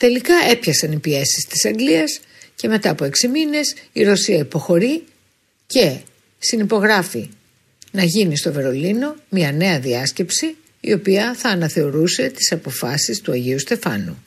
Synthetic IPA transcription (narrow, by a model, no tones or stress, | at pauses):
t̪e̞likɐe̞pçɐksɐnipie̞sist̪i̥sɐŋɡliɐs | ce̞me̞t̪ɐːpo̞e̞ksimine̞siɾo̞siɐipo̞xo̞ɾi | ce̞ | sinipo̞ɣɾɐfi | nɐʝinist̪o̞ve̞ɾo̞lino̞mɲɐne̞ɐðiɐsce̞psḭː | o̞piɐθɐːnɐθe̞o̞ɾuse̞t̪i̥sɐpo̞fɐsist̪uɐʝiust̪e̞fɐ̰nu